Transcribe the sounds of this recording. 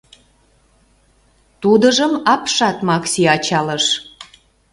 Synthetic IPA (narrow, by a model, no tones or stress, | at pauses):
t̪ud̪əʒəmɑpʃɑt̪mɑksiɑt͡ɕɑləʃ